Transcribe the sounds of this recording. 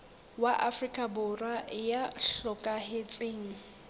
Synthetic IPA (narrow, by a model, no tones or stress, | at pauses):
waʔafrikʼabʊrwajaɬɔkʼahet͡sʼeːŋ̩